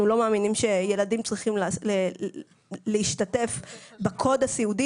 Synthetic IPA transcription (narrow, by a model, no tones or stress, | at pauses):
nulo̞maːminimʃe̞je̞ladimt͡sʁiχimlle | leiʃtate̞fbakʰo̞dasiudi